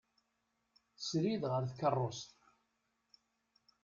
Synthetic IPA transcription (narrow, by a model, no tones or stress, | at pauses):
θəsɾiðʁəɾθkərˤːost̪